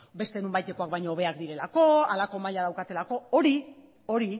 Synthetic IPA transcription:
be̞st̪e̞numbajt̪e̞ko̞ak̚bajɲo̞ːβ̞e̞akd̪iɾe̞lako̞alako̞maʎað̞awkat̪e̞lako̞o̞ɾi | o̞ɾi

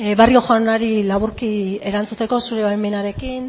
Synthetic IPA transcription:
βario̞xoanaɾilaβuɾkie̞ɾant͡sut̪e̞ko̞suɾe̞βajme̞naɾe̞kin

